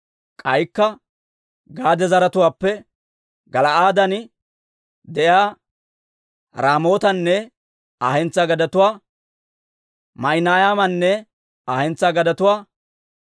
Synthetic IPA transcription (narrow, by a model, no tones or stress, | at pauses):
kʼɐjkːɐ | ɡaːd̪ɛzɐɾɐt̪ʊwaːpːɛ | ɡɐlɐaːd̪ɐn | d̪ɛjaː | ɾaːmo̞ːt̪ɐnːɛ | aːhɛnt͡sːaɡɐd̪ɐt̪ʊwaː | mɐɪnaːjaːmɐnːɛ | aːhɛnt͡sːaɡɐd̪ɐt̪ʊwaː